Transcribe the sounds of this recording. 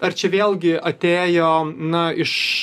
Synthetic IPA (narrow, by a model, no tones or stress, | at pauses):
ɐrt͡ʃʲɛʋʲeːlˠʲɡʲɪɐt̪ʲeːjoːnɐɪʃ